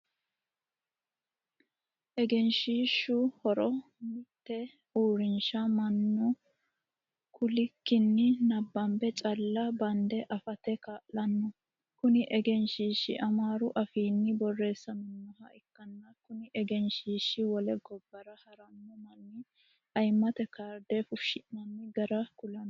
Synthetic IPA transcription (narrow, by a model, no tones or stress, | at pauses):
ʔɛɡɛnʃiːʃːʊhɔɾɔ | mɪt̪ːɛ | uːɾɪnʃɐmɐnːɔ | kʰʊlɪkːɪnːɪnɐbːɐmbɛt͡ʃʼɐlːɐbɐnd̪ɛʔɐfɐt̪ɛkaːʔlɐnːɔ | kʊnɪʔɛɡɛnʃiːʃːɪ̰ʔɐmaːɾʊʔɐfiːnːɪbɔrːe̞ːsːɐnʊnːɔhɐʔɪkːɐnːɐkʊnɪʔɛɡɛnʃiːʃːɪwɔlɛɡɔbːɐɾɐhɐɾɐnːɔmɐnːɪ | ɐjmːɐt̪ɛkaːɾd̪ɛfʊʃːɪnnɐnːɪɡɐɾɐkʊlɐnː